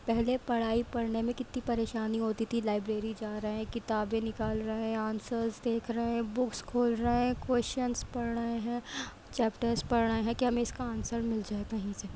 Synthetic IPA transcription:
pɛɦlepɐɽ̤aːipɐɽnemẽkɪt̪nĩpɐɾeːʃaːniɦoːt̪it̪ʰilaːɪbɾeːɾid͡ʒaːɾɐɦɦɛ̃kɪt̪aːbẽnɪkaːlɾɐɦẽɦɛ̃aːnsəɾsd̪eːkʰɾɐɦeɦɛ̃bʊkskʰoːlɾɐɦeɛ̃kwɛːsənspɐɽɳəɦẽɦɛ̃ː | t͡ʃɛːpʈəɾspɐɽɳəẽɦɛ̃kiɦɐmẽɪskaaːnsəɾmɪld͡ʒaːekɐɦĩse

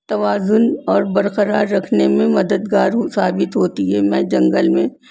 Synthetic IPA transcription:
t̪ɐʋaːzʊnɔːɾbɐɾqəɾaːɾːɐkʰnemẽmɐd̪əd̪ɡaːɾɦsaːbɪt̪ɦoːt̪iɦɛːmɛ̃ːd͡ʒɐ̃ŋɡəlmẽ

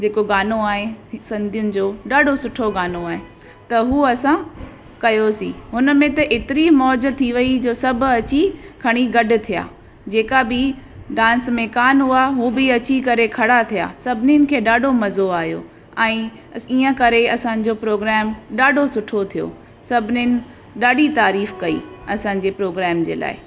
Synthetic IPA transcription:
d͡ʑeːkoɡaːnoaːɦẽsɐ̃nd̪ʱijʊnɪ̆d͡ʑoːɗaːɖʱosʊʈʰoɡaːnoaːɦẽ | t̪ɐɦuːɐsã | kɐjosḭ̃ːɦʊn̆mẽt̪ɐʔeːt̪ɪɾimɔːd͡ʑ̆t̪ʰːiʋɐid͡ʑoːsɐbʱʊ̆ɐt͡ɕikʰɐɽ̃iɡɐɖʊ̆t̪ʰija̰ː | d͡ʑeːkabɪ | ɖãːnsmẽkaːnɦuaɦuːbɪɐt͡ɕikɐɾekʰɐɽat̪ʰija̰ːsɐbʱɪnɪnɪ̆kʰeːɗaːɖʱomɐzoaːɦjo̰ | ɛ̃ː | iːə̃kɐɾeɐsãːɲ̆d͡ʑopɾoːɡɾɛːmɗaːɖʱosʊʈʰot̪ʰijo̰ | sɐbʱɪnɪnɪ̆ | ɗaːɖit̪aːɾiːfkɐḭːɐsãɲ̆d͡ʑeːpɾoːɡɾɛːmd͡ʑḛːla̰ːɪ

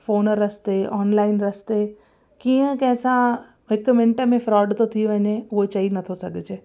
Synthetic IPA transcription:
foːnəɾɐst̪eʔɔːnlaːɪnɾɐst̪e | kiːə̃kɐ̃ɦɪ̃sã | ɦɪkmɪ̃ɳʈə̆mẽfɾɔːɪɖt̪ʰot̪ʰijuʋɐɲeʊɦot͡ɕɐinɐt̪ʰosɐɡʱɪd͡ʑeː

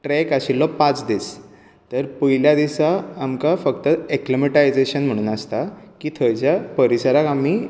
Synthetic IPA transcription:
ʈɾɛkaɕilːɔpat͡sd̪is | t̪əɾpuɦiljad̪isaːmkafəkt̪əeklimeʈaid͡zeɕənm̤əɽ̃uːnast̪akiːt̪ʰəjt͡ɕjapəɾisaɾakami

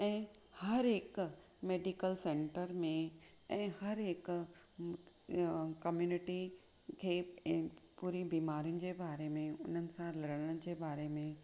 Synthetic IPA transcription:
ɛ̃ːhɐɾɦɪk | meːɖikəlsẽːɳʈəɾmẽ | ɛ̃ːhɐɾɦɪk | kɐmjuːnɪʈi | kʰeː | puːɾibiːmaːɾjʊnɪ̆d͡ʑeːbaːɾemẽʊn̤ənɪ̆sãlɐɾəɽəɽ̃d͡ʑeːbaːɾemẽ

